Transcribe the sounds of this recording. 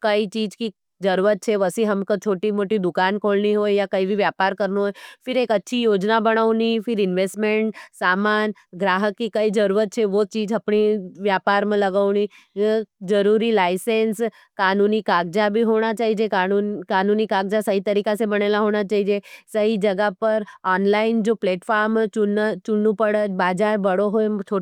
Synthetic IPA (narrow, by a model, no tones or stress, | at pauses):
kəit͡ʃiːd͡ʒki | d͡ʒəɾuɾət̪̚t͡ʃʰeʋəsiɦəmkə̃t͡ʃʰoːʈimoːʈid̪ʊkaːnkʰoːlniɦoːjjakəibʱiʋjaːpaːɾkəɾnoɦoːjfɪɾeːkətːʃʰijoːd͡ʒnabəɽ̃əʋnifʰɪɾɪnʋesʈmẽɳʈsaːmaːn | ɡɾaːɦəkːikəid͡ʒəɾuːɾət̪̚t͡ʃʰeʋot͡ʃiːd͡ʒɐpɳiʋjaːpaːɾmãləɡaʊni | d͡ʒəɾuɾilaɪsens | kaːnunikaɡ̚d͡ʒabʱiɦoɽ̃at͡ʃaːɦid͡ʒekaukaːnunikaɡ̚d͡ʒasəɦit̪əɾikasebəɽ̃elaɦoɽ̃at͡ʃaːɦid͡ʒesəɦid͡ʒəɡapəɾɔnlaɪnd͡ʒopleːʈfaɾmt͡ʃʊt͡ʃʊnːũpəɽət͡ʃbad͡ʒabəɽoɦoet̪ʰo